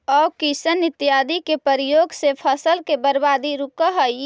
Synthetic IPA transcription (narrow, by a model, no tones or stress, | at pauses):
ɔːkisənɪt̪jaːd̪ikepəɾɪjoːɡsepʰəsəlkebəɾbaːd̪iɾukəɦəj